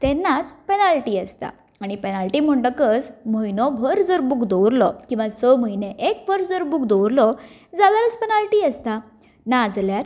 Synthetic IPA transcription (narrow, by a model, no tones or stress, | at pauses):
t̪enːat͡spenalʈiːəst̪a̰ | aɽ̃ipenalʈim̤əɳʈəkəsməinɔbʱəɾd͡zəɾbukd̪ɔwɾlɔkĩw̃ʋasəməjneʔek̚bʱəɾd͡zəɾbukd̪ɔwɾlɔ | d͡zad̪aɾət͡spenalʈiːəst̪a | nad͡zljaɾ